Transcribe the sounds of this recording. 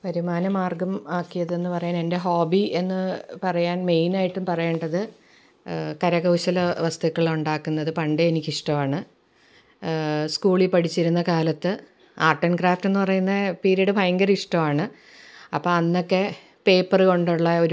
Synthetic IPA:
pɐɾimaːnɐmaːrɡɐmaːkːijɐðɨe̞nːɨpɐrɐjaːne̞nde̞ɦoːbie̞nːɨpɐrɐjaːnme̞jnaːjiʈːumpɐrɐjeːɳɖɐðɨ | kɐɾɐɣɐwɕɐlɐʋɐst̪ʰɐkːɐɭuɳɖaːkːunːɐðɨpɐɳɖeenikʲːiʂʈɐʋaːɳɨ | skuːɭipɐɽʰit͡ɕːiɾunːɐkaːlɐt̪ːɨ | aːrʈːɐnkraːfte̞nːɨpɐrɐjunːɐpiːɾiɐɽɨbʱɐjŋɡɐriʂʈɐmaːɳɨ | ɐpːoːɐnːo̞kːe̞ | pe̞ːpːɐrko̞ɳɖuɭːɐo̞ɾu

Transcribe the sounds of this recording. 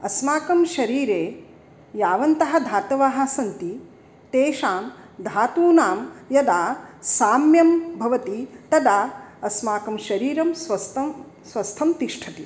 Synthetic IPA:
ɐsmaːkɐmʃɐɾiːɾeː | jaːʋɐnt̪ɐɦɐ̆d̪ʱaːt̪ɐʋaːɦɐsɐnt̪i | t̪eːʃaːmd̪ʱaːt̪uːnaːmjɐd̪aːsaːmjɐmbʱɐʋɐt̪it̪ɐd̪aːɐsmaːkɐmʃɐɾiːɾɐmsʋɐst̪ɐ | sʋɐst̪ʰɐmt̪iʂʈʰɐt̪i

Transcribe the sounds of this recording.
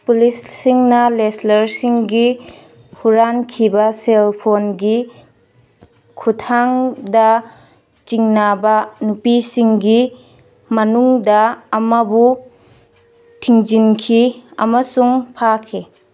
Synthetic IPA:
pulisːiŋnɐleslɐɾsiŋɡi | huɾankʰibɐselpʰonɡi | kʰutʰaŋda | t͡ʃiŋnabɐnupisiŋɡi | mɐnuŋdɐːmɐbu | tʰiŋd͡ʒinkʰiɐ̰mɐsuŋpʰakʰe

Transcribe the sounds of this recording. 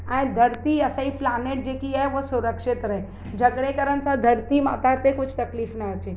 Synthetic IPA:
ãj̃d̪ʱəɾt̪iəsaiplaːneʈ̚d͡ʒeːkiaɦeʋosʊɾəkʃɪt̪ɾɐɦe | d͡ʒʱəɡɽekəɾənsad̪ʱəɾt̪ima̰t̪at̪ekʊt͡ʃʰt̪ɐkliːfnaət͡ʃe

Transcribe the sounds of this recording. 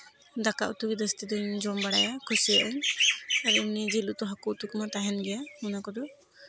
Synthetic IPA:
d̪akaʔut̪ukid̪əst̪id̪ɔnd͡ʒɔmbaɽa̰jakʰusiɛʔɛnaɾimnid͡ʒilut̪ɔɦakuʔt̪ukmat̪aɦɛnɡɛjamunakɔd̪ɔ

